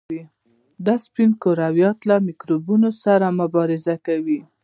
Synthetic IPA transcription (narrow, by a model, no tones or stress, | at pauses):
i | d̪aspinkoɾawjɑt̪lamikɾubunosaɾamʊbɑɾɪzakawi